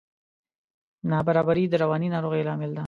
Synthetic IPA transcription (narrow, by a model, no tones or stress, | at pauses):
nɑbaɾɑbaɾid̪əɾawɑninɑɾoɣelɑmɪld̪a